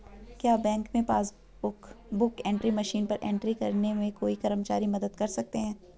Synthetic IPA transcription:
kjaːbɛ̃ːŋkmẽpaːs | ʊkbʊkɛ̃ːɳʈɾimɐʃiːnpɐɾʔḛ̃ːɳʈɾikɐɾnemẽkoːikɐɾəmt͡ʃaːɾimɐd̪əd̪kɐɾsɐk̚t̪eɦɛ̃ː

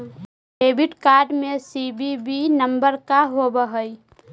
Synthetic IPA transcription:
eːbɪʈkaːɾɖmẽsibibinəmbəɾkaɦobəɦəi

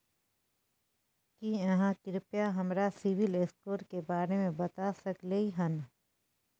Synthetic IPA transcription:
kiɐɦãkɪɾɪpjaɦɐmɾasɪʋɪleskoːɾkebaːɾemẽbɐt̪asɐkleiɦɐn

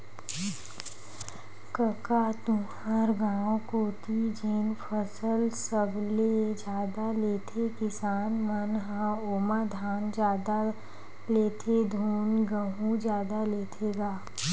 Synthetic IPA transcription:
kəkat̪ũhəɾɡãːõkoːt̪id͡ʒeːnpʰəsəlsəbled͡ʒjaːd̪aleːt̪ʰekɪsaːnmənɦãoːmad̪ʱaːnd͡ʒaːd̪a | leːt̪ʰed̪ʱuːnɡəɦũd͡ʒjaːd̪aleːt̪ʰeɡaː

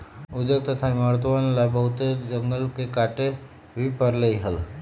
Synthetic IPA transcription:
ud̪jəɡ̚t̪ət̪ʰaiməɾt̪əʋanlabəɦut̪ed͡ʒəŋɡəlkekaʈe | bʱipəɾlejɦəl

